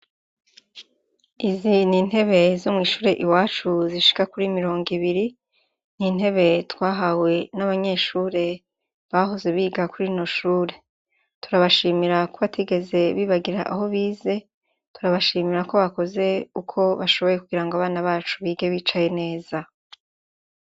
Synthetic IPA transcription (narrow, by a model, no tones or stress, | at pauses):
iziniːn̥he̞βe̞zomŋiːʃuːɾe̞ʔiwaːt͡ʃuziʃi̥kakuɾimiɾo̞ːŋɡiβiɾi | nin̥he̞βe̞twaːɦawe̞naβaɲe̞ʃuːɾe̞ | βaɦo̞ze̞βiːɡakuɾinoʃuːɾe̞ | tu̥ɾaβaʃiːmiɾakoβatʰiɡe̞ze̞βiːβaɡiɾa̰ʔaho̞βiːze̞ | tuɾaβaʃiːmiɾako̞βako̞ze̞ukʰo̞βaʃo̞βo̞je̞kuɡiɾaŋɡoaβaːnaβaːt͡ʃuβiːɡe̞βit͡ʃaje̞ne̞ːz̥a